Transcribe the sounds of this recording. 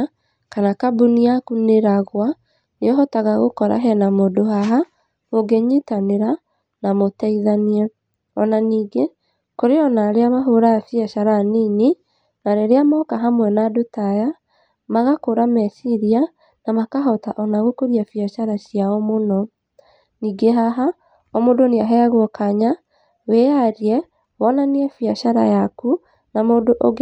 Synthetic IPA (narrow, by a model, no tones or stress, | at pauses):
kanakabuniakuneɾaɣwa | neɔɦɔtaɣaɣokɔɾa̰ɦɛnamodoɦaɦa | moɡeɲitaneɾa | namotɛiðaniɛ | ɔnaniːɡe | koɾeɔnaɾeamaɦoɾaːfjɛʃaɾanini | naɾeɾeamaɔkaɦamwɛnadotaja | maɣakoɾamɛsiɾia | namakaɦɔtaʔɔnaɣokoɾiafiaʃaɾasjaɔmonɔ | niːɡeɦaɦa | ɔmodoneaɦɛaɣwɔkaɲa | wejaɾiɛ | wɔnaniɛfiaʃaɾa̰jaku | namoːdoʔoɣ